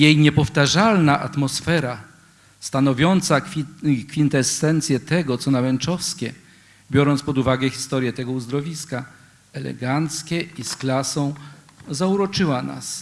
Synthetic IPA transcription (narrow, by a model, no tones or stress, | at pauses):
jejɲɛpɔft̪aʐalnaʔat̪mɔsfɛɾa | st̪anɔvʲjɔnt̪sakfʲint̪ɛsːɛnt̪sʲjɛt̪ɛɡɔt̪sɔnawɛnt͡ʂɔfskʲɛ | bʲjɔɾɔnt̪spɔd̪uvaɡɛxʲi̥st̪ɔɾʲjɛt̪ɛɡɔuzd̪ɾɔvʲiska | ɛlɛ̰ɡant̪skʲɛisklasɔ̃w̃ | zauɾɔt͡ʂɘwana̰s